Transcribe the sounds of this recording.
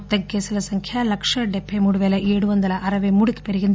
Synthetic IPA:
t̪ɐɡːesɐlɐsɐŋkʰjɐlɐkʂɐɖepʰːemuɽuʋeleʔeːɽuʋɐnd̪ɐlɐʔɐɾɐʋemuɽik̪peɾiɡind̪

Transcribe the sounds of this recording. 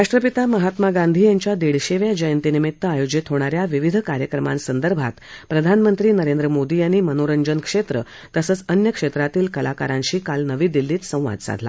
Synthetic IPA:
ɾaʂʈɾəpit̪aməɦat̪maɡand̪ʱiːjaɲt͡ɕjad̪eɽɕeʋjad͡ʑəjənt̪inimit̪ːəajod͡ʑit̪ɦoɽ̃aɾjaʋiʋid̪ʱkaɾjəkɾəmã̰nsənd̪əɾbʱa̰t̪pɾəd̪ʱanmənt̪ɾiːnəɾend̪ɾəmod̪iːaɽ̃imənoɾəɲd͡ʑənkʂet̪ɾə | t̪əsət͡sənjəkʂet̪ɾat̪iːlkəlaka̰ɾãɲɕiːkalnəʋiːd̪ilːiːt̪sə̃w̃ʋa̰d̪sa̰d̪ʱla̰

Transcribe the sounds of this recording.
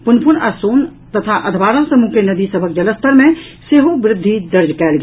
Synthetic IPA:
punpʰunasoːnt̪ət̪ʰaʔəd̪ʱbaɾãsəmukenəd̪isəbʱəkd͡ʒələst̪ʰəɾme | seɦobɾɪd̪ʱːid̪əɾd͡ʒkɛlɡ

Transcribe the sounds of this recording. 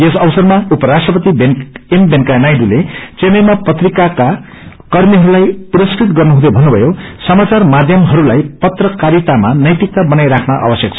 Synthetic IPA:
esʌbsʌrmaupʌɾasʈrʌpʌt̪ibenembenkanajɖulet͡senʌjmapʌt̪rikaka | kʌrmiɦʌɾulajpuɾʌskrit̪ɡʌrnuɦũd̪ʌbʱʌnːubʱʌjosʌmat͡sarmad̪ʱjʌmɦʌɾulajpʌt̪rʌkaɾit̪amanʌjt̪ik̚t̪abʌnajɾakʰnaʔa̰bʌsjʌk̚t͡sʰʌ

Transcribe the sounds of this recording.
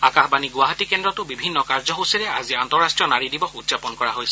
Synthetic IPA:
akaɦbaniɡʊaɦatikɛndɹɔtʊbibʱinːɔkaɹzɔɦowsiɹɛa̰ziantɔɹastɹijɔnaɹidibɔxudzapɔnkɔɹaɦojsɛ

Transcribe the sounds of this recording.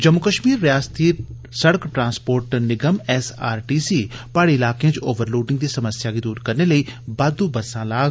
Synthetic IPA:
d͡ʒɐmːʊkəʃmiːɾːijaːst̪i | sɐɽkʈɾãːspoːɾʈənɪɡəmɛːsa̰ːɾʈiːsiːpaːɽiɪlaːkẽd͡ʒoːʋəɾloːɖɪ̃ŋɡ̚d̪isɐməsjakid̪uːɾkɐɾnelɐibaːd̪ubɐsãlaːɡ

